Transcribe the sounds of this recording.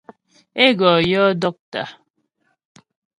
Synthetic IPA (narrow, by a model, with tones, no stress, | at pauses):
e˦ɡɔː˨jɔ˦dɔ˦k̚ta̰˨